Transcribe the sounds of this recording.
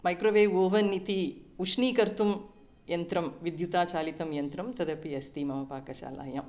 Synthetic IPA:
mɐjkɾoʋeːʋoːʋɐnːit̪iuʂniːkɐɾt̪um | jɐnt̪ɾɐmʋid̪jut̪aːt͡ʃaːlit̪ɐmjɐnt̪ɾɐmt̪ɐd̪ɐpiɐst̪imɐʋɐpaːkɐʃa̰ːla̰ːjɐ̰m

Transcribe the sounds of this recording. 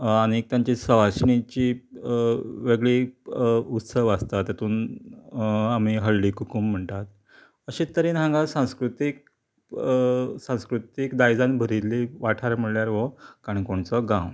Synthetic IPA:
añik̚t̪jaɲt͡ɕisəʋaɕnit͡ɕiː | ʋeɡɭi | ut̪səʋast̪at̪jat̪uːn | am̤iɦəlːiːkukum̤ːəɳt̪at̪ | əɕĩt̪ːəɾiːnãŋɡasãw̃skɾut̪ik̚ | sãw̃skɾut̪ikd̪ajd͡zãnbʱəɾiliʋaʈʰaɾm̤əɭljaɾʋɔkaɽ̃ikoɳt͡sɔɡãw

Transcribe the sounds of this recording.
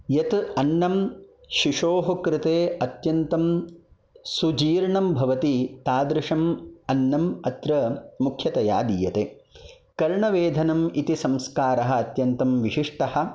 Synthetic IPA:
jɐt̪ɐnːɐm | ʃiʂoːɦɐkɾɪt̪eːɐt̪jɐnt̪ɐm | sud͡ʒiːɾɳɐmbʱɐʋɐt̪it̪aːd̪ɾɪʂɐmɐnːɐmɐt̪ɾɐmukʰjɐt̪ɐja̰ːd̪iːjɐt̪eː | kɐɾɳɐʋeːd̪ʱɐnɐmit̪isɐmskaːɾɐɦɐ̆ːt̪jɐnt̪ɐmʋiʃiʂʈɐhɐ̆

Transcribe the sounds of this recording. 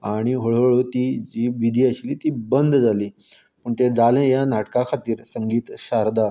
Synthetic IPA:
aɽ̃iɦoɭoɭot̪id͡ʑiːʋid̪ʱiːaɕiːliːt̪ibənd̪ʱd͡zaliː | pəɳt̪ed͡zalẽjanaʈkakʰat̪iːɾsəŋɡiːt̪ɕaɾd̪a

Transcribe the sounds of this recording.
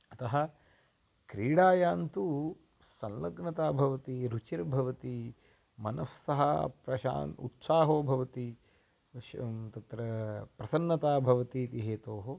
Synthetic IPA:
ɐt̪ɐɦɐ | kɾiːɽaːjaːnt̪u | sɐ̃nlɐɡnɐt̪aːbʱɐʋɐt̪iɾut͡ʃiɾbʱɐʋɐt̪i | mɐnɐssɐɦɐpɾɐʃa̰ːnṵt̪saːɦoːbʱɐʋɐt̪i | t̪ɐt̪ɾɐpɾɐsɐnːɐt̪aːbʱɐʋɐt̪iːt̪iɦeːt̪oːɦo

